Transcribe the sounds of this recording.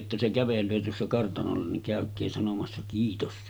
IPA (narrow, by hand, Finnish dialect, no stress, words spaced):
jotːɑ se kæʋelˑøː tuosːɑ kɑrtɑnolːɑ niŋ kæˑøkˑeː sɑnomɑsːɑ kiːtos